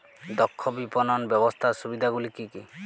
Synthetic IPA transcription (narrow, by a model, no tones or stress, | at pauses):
d̪ɔkʰːɔbipɔnɔnbjɔbɔst̪ʰaɾsubid̪ʱaɡulikiki